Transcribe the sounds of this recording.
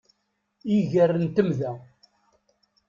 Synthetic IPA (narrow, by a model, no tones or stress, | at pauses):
iʝərːənt̪əmðæ